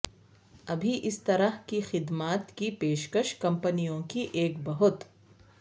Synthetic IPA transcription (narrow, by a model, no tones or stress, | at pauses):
ɐbʱiʔɪst̪ɐɾəɦkixɪd̪maːt̪kipeːʃkəʃkɐ̃mpənijõkiʔeːkbɐɦʊt̪